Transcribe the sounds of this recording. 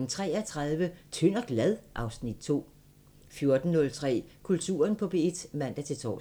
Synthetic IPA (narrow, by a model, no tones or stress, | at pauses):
n̩t͡sʰʁɛ̰ːɐt͡sʰʁaðˠʋət͡sʰøn̰ɒ̽ɡ̥læð̞ˠʔɑ̈ʊsnid̥̚t͡sʰo̝̰ː | fjo̝ɐd̥n̩nɔ̽lt͡sʰʁɛ̰ːkʰult͡sʰṵːɐnpʰɒ̽b̥e̝d̥mæn̰d̥æt͡sʰe̝lt͡sʰɒ̰ː